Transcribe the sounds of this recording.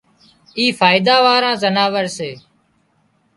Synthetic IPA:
iːfʰaːɪd̪aːʋaːɾãːzənaːʋəɾseː

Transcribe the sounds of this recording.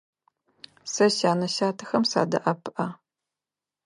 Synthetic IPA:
sɐɕaːnɐɕaːtʰɐ̥xɐmsa̰ːdɐ̰ʔɐpʰʔɐ

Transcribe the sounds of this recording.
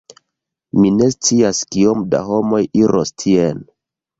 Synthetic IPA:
mine̞st͡siaskiomda̰ɦo̞mo̞jiɾʔostʰien

